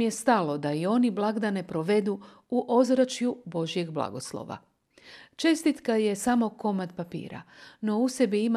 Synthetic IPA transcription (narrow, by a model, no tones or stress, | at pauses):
je̞st̪alo̞d̪aio̞niblˠaɡd̪ane̞pɾo̞ʋe̞d̪u | uʔo̞zɾat͡ʃjubo̞ʒije̞ɡblˠa̰ɡo̞slˠo̰ʋa̰ | t͡ʃe̞st̪it̪kaje̞samo̞ko̞mat̪papḭːɾa̰no̞use̞biim